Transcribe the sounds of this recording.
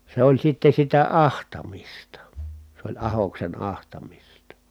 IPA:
se olʲ sitːe sitæ ɑhtɑmistɑ s olʲ ɑhoksen ɑhtɑmistɑ

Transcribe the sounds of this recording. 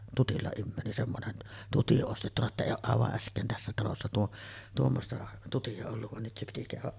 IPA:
tutilːɑ imːøː nin semːonen tuti ostetːunɑ etːæ eijˑ oːʔ ʔɑˑeʋɑʔ ʔæskˑeːn tæsːæ tɑlosːɑ tuo tuomːostɑ tutiɑ olːuʋ ʋɑn nyt se piti kæˑyʋæʔ

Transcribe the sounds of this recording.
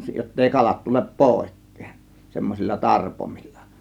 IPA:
jotːei kɑlɑt tulep poˑe̝kːe̥ːn̥ semːosilːɑ tɑrpomilːɑ

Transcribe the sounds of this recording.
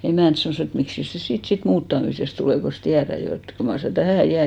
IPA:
emæˑnt sɑnoˑs et miksis se siːt sit muːtːɑmisest tuleˑ kos tiæræ jo et kyl mɑr sæ tæhæˑ jæː

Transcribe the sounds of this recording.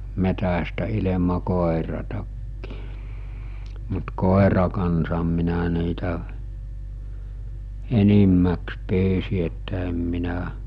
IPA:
metæstæ ilemɑ koˑerɑtɑkːi̥ː mut koˑerɑ kɑnsɑm minæ niːtæ enimːæks pyːsi etːæ em minæ

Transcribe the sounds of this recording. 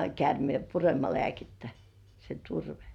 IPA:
kærmĭempuremɑlĕæˑketːæ se turʋe̥

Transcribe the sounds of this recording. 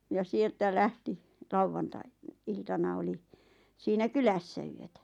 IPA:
jɑ sieltæ læhti lɑuʋːɑntɑi iltɑnɑ oli siːnæ kylæsːæ yøtæ

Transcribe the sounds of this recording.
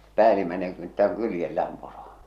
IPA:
pæːlimæeneŋ kyntːæ k̆ŭ kyljelːæːm poro

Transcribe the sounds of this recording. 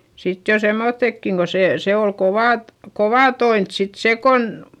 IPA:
sit jo semːoθːekːiŋ ko se seˑ ol koʋɑˑ t koʋɑˑ toint sit seˑ kon

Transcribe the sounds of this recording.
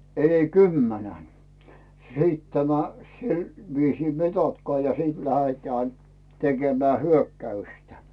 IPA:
ei kymːænæn sit tæmæ sil ʋiːsiː mitɑtkŏɑˑ jɑ siˑt læhetæːn tekemæː hyøkːæystæ

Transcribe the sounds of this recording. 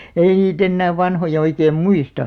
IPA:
ei niːt enːæː ʋɑnhojɑ oikeːm muistɑ

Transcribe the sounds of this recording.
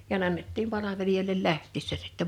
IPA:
jɑ ne ɑnːetːiːm pɑlɑʋelij̊̆oilˑel læhtˑiːsːæ si̥tːɛ

